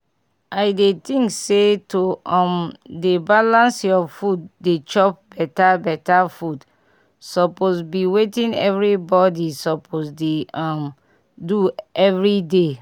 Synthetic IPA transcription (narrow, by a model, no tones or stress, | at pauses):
ʔaɪdetĩŋksetoɔ̃mdebalãnsjɔfuddet͡ʃɔp̚b̥ɛtabɛtafud | sɔposbiwetĩnɛ̰vɹibɔdisɔpʰosdeam | duɛvɹide